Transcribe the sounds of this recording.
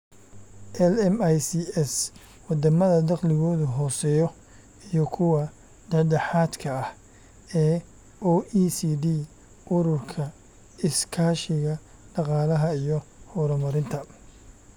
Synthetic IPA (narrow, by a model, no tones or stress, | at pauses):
ʔɛlɛmajsiɛs | wɑd̪ɐmɐðɐd̪ɑqlɪɣɔːðʊɦɔːsɛːjɔ | ijɔkʰʊwɑ | ɖɐɖɛħaːd̪kʰɐɐh | ɛː | ɔːʔisiːd̪iː | ʔʊɾʊrkʰɐ | ɪskʰaːʃɪɣɐ | ɖ̥ɑqɑːlɐɦɐijɔhɔɾɐmɐɾɪnt̪ʰɐ